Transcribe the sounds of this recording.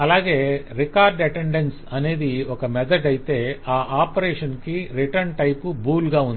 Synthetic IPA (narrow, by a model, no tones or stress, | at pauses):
ɐlaːɡe̞ːɾikaːɾɖɐʈeɳɖensɐne̞ːd̪iɔkɐmɛd̪ʰɐɖɐjit̪e̞ːaːʔaːpɐɾeːʂɐnkiɾiʈɐɾɳʈɐjpubuːlɡaːund̪ii